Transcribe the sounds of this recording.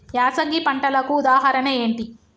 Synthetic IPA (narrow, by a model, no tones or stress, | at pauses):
jaːsɐŋɡipɐɳʈɐlɐkuːd̪aːɦaɾɐneeːɳʈi